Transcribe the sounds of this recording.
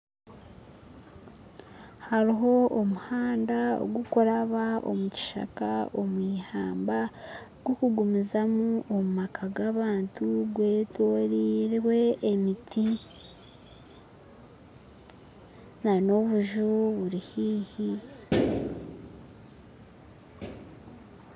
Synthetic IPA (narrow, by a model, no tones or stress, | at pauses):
haɾiɦo̞omuhaːndao̰ɡukoɾaβaʔo̰muci̥ʃa̰ka̰omwiːhaːmbaɡ̥wokuɡumizamuʔomumakʰaɡaβaːntuɡwe̞ːtoɾiːɾwe̞ːmitʰi | nano̞βuʒuβuɾihiːhi